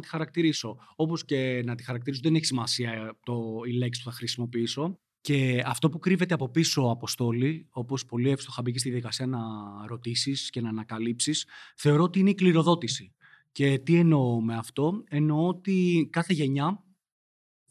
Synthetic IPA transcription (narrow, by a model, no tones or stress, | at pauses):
t̪i̥xɐɾɐkt̪iɾiso̞o̞posce̞nɐt̪i̥xɐɾɐk̚t̪iɾisoðene̞çisimɐsiɐt̪oile̞ksi̥p̪u̥θɐxɾisimo̞piiso̞ | ce̞ɐft̪o̞pukɾive̞t̪eɐpo̞piso̞ɐpo̞st̪o̞lio̞po̞spo̞liefst̪o̞xɐbicest̪iðjɐðikɐsiɐnɐɾo̞t̪isisce̞nɐːnɐkɐlipsisθe̞o̞ɾoot̪iineikliɾo̞ðo̞t̪isi | ce̞t̪ie̞no̞me̞ɐft̪o̞e̞noot̪ikɐθe̞ʝe̞ɲɐ